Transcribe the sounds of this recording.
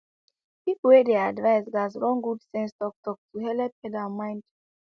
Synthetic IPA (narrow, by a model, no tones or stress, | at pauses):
pipl̩wɛdeadvaɪsɡazɹɔ̃ŋɡudsɛ̃nstɔk̚tɔk̚tuɦɛlɛp̚ɛdamãɪ̃nd